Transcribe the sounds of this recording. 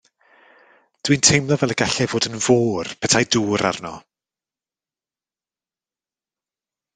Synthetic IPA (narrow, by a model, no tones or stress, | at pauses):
d̥wintʰejmlˠɔvɛlˠəɡaɬɛvoːdənvoːrpʰɛtʰajduːɾa̰rnɔ̰